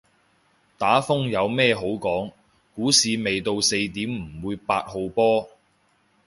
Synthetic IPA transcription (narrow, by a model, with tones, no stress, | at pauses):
t̪aː˨˥fʊ˥ŋjɐ˨˧wmɛː˥˧ɦo˨˥wkɔː˨˥ŋ | kuː˨˥siː˨˧me˨jt̪o˧wse˧jt̪̬iː˨˥mm̩˨˩wuː˨˧jpaː˧t̚ho˨˧wpɔː˥